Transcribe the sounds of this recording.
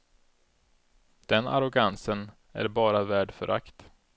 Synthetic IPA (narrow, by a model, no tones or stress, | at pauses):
d̪̥ɛna̰ɾʊɡansən | æ̰ɾbɑːɾavæːɖfœ̰ɾʔa̰kt̪